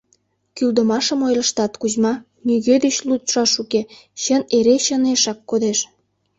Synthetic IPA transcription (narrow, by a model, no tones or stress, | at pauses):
kyld̪ə̆mɑʃəmojləʃt̪ɑt̪kuʑmɑ | nyɣed̪et͡ɕlut̪ʃɑʃukeɕəneɾeɕəneʃɑkːod̪eʃ